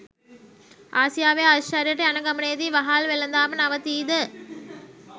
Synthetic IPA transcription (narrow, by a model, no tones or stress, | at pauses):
ʔaːsɪjaːʋeːaʃaɾijɐʈːɐɐnɐɡɐmɐneːd̪iʋɐɦaːlʋɛlːɐnd̪aːmɐnɐʋɐt̪iːd̪ɯ